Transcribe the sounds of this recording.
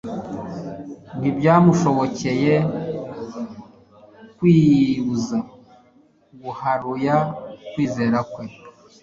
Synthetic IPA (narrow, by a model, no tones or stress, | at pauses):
ɡibjaːmuʃo̞βo̞ce̞je̞ | kwiːβuza | ɡuhaɾujakwiːze̞ːɾakwe̞